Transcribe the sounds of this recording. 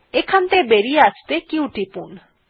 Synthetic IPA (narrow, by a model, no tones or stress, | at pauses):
ekʰant̪ebeɾieast̪ekiwʈipun